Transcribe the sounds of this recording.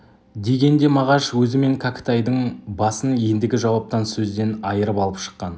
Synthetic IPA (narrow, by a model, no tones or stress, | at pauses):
d̪e̞ɡʲe̞nd̪e̞mɑʁɑʃwɵzɪme̞ŋkʲʰakʲt̪ɑjd̪əɴbɑsənje̞nd̪ɪɡʲɪʒɑwɑp̚t̪ɑnsɵzd̪e̞nɑjəɾəpɑlˠəpʃə̥qːɑn